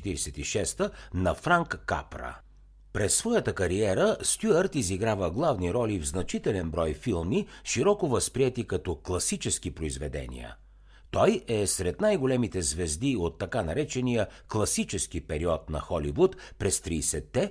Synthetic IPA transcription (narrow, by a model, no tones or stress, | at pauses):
ɛt̪iɾɛsɛt̪iʃɛst̪ənɐfɾaŋkːa̰pɾə̰ | pɾɛsːvɔjət̪əkɐɾiɛɾəst̪ʲuəɾt̪iziɡɾavəɡlˠavniɾɔlivznɐt͡ʃit̪ɛlɛnbɾɔjfilˠmiʃiɾɔkovəspɾiɛt̪ikɐt̪ɔklˠɐsit͡ʃɛsk̟ipɾoizvɛd̪ɛ̰nḭə̰ | t̪ɔjɛsɾɛt̪najɡolɛmit̪ɛzvɛzd̪iot̪ːɐkanɐɾɛt͡ʃɛnijəklˠɐsit͡ʃɛskipɛɾiɔt̪nɐ̰xɔlivut̪pɾɛst̪ɾiːsɛt̪ːɛ